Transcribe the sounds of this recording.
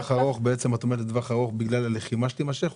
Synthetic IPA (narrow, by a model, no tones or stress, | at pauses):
χaʁo̞χbeet͡semat̪omelet̪d̪vaχaʁo̞χbiɡlalaleχimaʃlimaʃeχ